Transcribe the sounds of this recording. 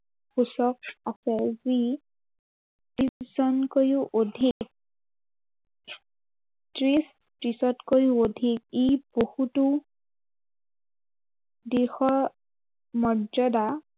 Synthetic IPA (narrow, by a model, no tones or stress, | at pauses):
xusɔk̚asɛzi | tiszɔnkojuʔodʱikk̚ | tɹis | tɹisɔtkojuodʱikibohutʊ | dixɔɹ | mɔd͡ʒɔda